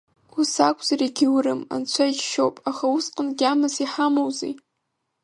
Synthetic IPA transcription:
usakʷʼzaɾiɡʲɪwɾɨma̰nt͡ɕʷʰait͡ʃʃowpʼaχausqʼənɡʲamɨsiħamowzḭj

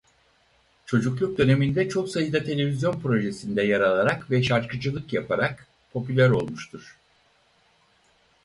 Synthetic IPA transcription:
t͡ʃʰo̞d͡ʒuklˠuk̚d̪ø̞ne̞mind̪ɛt͡ʃʰo̞ksajɯd̪at̪ʰe̞lʲe̞vizʲjo̞npɾo̞ʒesind̪ɛjaɾalˠaɾakvɛʃaɾkʰɯd͡ʒɯlˠɯkjapʰaɾak | pʰo̞pylʲæɾo̞lˠmuʃt̪ʰuɾ̥

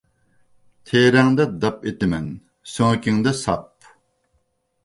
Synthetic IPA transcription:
t̪ʰeːɾɛŋd̪ɛd̪ɑpet̪ɪmɛn | søŋkʲɪŋd̪ɛsɑ̰p̚

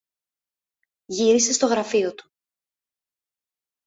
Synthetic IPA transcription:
ʝiɾise̞st̪o̞ɣɾɐfio̞t̪u̥

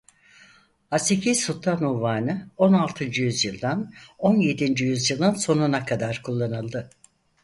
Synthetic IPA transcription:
hasecʰiz̥sut̪ʰːanuvaːnɯo̞nalˠt̪ʰɯnd͡ʒɯjyzjɯlˠd̪ano̞nje̞d̪ind͡ʒyjyzjɯlˠɯnso̞nunakʰad̪aɾkʰulˠːanɯlˠd̪ɯ

